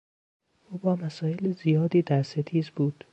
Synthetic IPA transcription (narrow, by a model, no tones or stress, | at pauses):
ʔuːbɒːmæsɒːjelzijɒːd̪iːd̪æɾset̪ʰiːzbuːd̪̥